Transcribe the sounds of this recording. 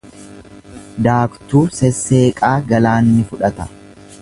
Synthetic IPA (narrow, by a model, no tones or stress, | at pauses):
d̪aːkt̪uːsɛsːe̞ːkʼaːɡɐlaːnːɪfʊᶑɐt̪ɐ̥